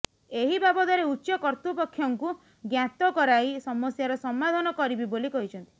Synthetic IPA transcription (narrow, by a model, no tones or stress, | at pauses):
eɦibabɔd̪aɾeutːt͡ʃɔkɔɾt̪upɔkʰːjɔŋku | ɡjat̪ɔkɔɾaisɔmɔsjaɾɔsɔmːad̪ʱɔnɔkɔɾibibolikɔɦit͡ʃʰɔnt̪i̥